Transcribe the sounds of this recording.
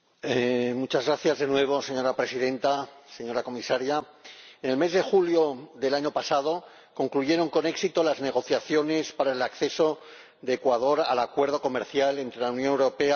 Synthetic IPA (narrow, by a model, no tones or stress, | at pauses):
emut͡ʃazɣɾaθjazðe̞nwe̞β̞o̞se̞ɲo̞ɾapɾe̞sið̞ẽ̞nt̪ase̞ɲo̞ɾako̞misaɾja | ene̞lme̞zðe̞xuljo̞ðe̞laɲo̞pasað̞o̞ | ko̞ŋkluʝe̞ɾo̞ŋko̞ne̞ksit̪o̞lazne̞ɣ̞o̞θjaθjo̞ne̞spaɾaelakθe̞so̞ | d̪e̞ːkwað̞o̞ɾalakwe̞ɾð̞o̞ko̞me̞ɾθjale̞nt̪ɾe̞lawnjo̞newɾo̞pe̞a